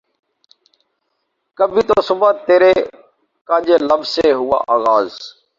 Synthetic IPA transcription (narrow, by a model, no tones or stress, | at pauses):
kəbʱĩːt̪oːsʊbat̪eːɾeː | kãːd͡ʒeːləbzseːɦʊːa̰ːʔaːɣaːz